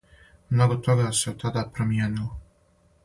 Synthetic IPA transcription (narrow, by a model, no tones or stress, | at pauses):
mno̞ɡot̪o̞ɡaseot̪ːad̪apɾomijeːnilo